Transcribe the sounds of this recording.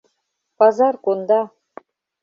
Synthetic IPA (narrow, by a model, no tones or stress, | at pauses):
pɑzɑrkond̪ɑ